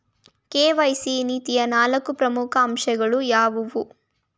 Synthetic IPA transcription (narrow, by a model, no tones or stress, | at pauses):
keːʋɐjsiniːt̪ijɐnaːlɐkːupɾɐmukʰɐːmʃɛɡɐɭujaːʋuʋu